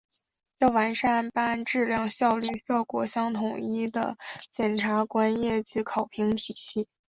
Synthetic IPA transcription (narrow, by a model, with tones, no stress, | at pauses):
jo˥˩ʊwa˧˥nʂa˥˩npa˥nʈ͡ʂɻ̩˥˧ljɑ˥˧ŋɕjɑ˥˧ʊly˥˧ɕjɑ˥˩ʊkwɔ̰˨˩ɕjɑ˥ŋt̪ʰʊ˨˩ŋi˥d̪ə̰˩t͡ɕjɛ˨˩nʈ͡ʂʰa˧˥kwa˥njɛ˥˩t͡ɕi˧˥kʰɑ˨˩ʊpʰi˧˥ŋt̪ʰi˨˩ɕi˥˩